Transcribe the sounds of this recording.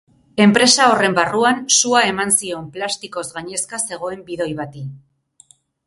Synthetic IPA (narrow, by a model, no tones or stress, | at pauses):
e̞mpɾe̞sao̞re̞mbaruansuae̞mansio̞mplast̪iko̞zɣaɲe̞skase̞ɣ̞o̞e̞mbiðo̞jβat̪i